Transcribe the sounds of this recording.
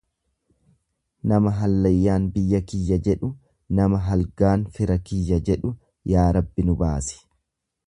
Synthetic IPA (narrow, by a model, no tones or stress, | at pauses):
nɐmɐɦɐlːɐjːaːnbɪjːɐkɪjːɐd͡ʒɛᶑʊ | nɐmɐɦɐlɡaːnfɪɾɐkɪjːɐd͡ʒɛᶑʊ | jaːɾɐbːɪnʊbaːsɪ̥